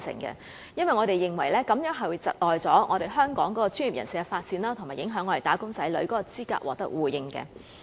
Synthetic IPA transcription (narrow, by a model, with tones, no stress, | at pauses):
sɪ̰˨˩ŋkɛ̰˧ | jɐ˥nwɐ˨˩jŋɔː˨˧ɾe˨jːɪ˨ŋwɐ˨˩jlɛː˥kɐ˨˥mjœː˨˥ŋɦɐ˨jwu˨˧t͡sɐ˨t̚lɔː˨jt͡sɔː˨˥ŋɔ̰ː˨˧ɾe˨jɦœː˥ŋkɔː˨˥ŋkɔː˨˥kɔː˧t͡syː˥ni˨pjɐ̰˨˩nsiː˨˧kɛ˧faː˧t̚t͡siː˧nlaː˥t̪ʰʊ˨˩ŋmaː˨˩jɪ˨˥ŋɦœː˨˥ŋɔː˨˧ɾe˨jt̪aː˨˥kʊ˥ŋt͡sɐ˨˥jlɵ˨˧˥kɔː˨˥kɔ˧t͡siː˥ka̰ː˧k̚wɔ̰ː˨k̚t̪ɐ˥k̚wuː˨˩jɪ˧ŋkɛ̰˧